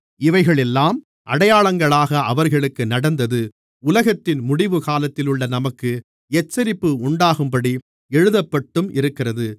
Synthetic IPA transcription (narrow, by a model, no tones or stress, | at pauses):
ɪʋɐɪɣɐɭɛlːaːm | ʔɐɽɐjaːɭɐŋɡɐɭaːɣɐʔɐʋɐɾɣɐɭɯkːɯnɐɽɐnd̪ɐðɯ | ʊlɐɣɐt̪ːɪnmʊɽɪʋɯkaːlɐt̪ːɪlʊɭːɐnɐmɐkːɯ | ɛt͡ʃːɐɾɪpːɯʊɳɖaːɣɯmpɐɽi | ɛɻɯðɐpːɐʈːɯmʔɪɾɯkːɪrɐðɯ